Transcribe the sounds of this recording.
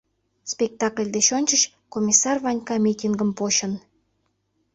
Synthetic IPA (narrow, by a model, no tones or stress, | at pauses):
spʲek̚t̪ɑklʲd̪eʃonʲt͡ɕəɕ | komʲisɑrvɑnʲkɑmʲitʲiŋɡəmpoɕən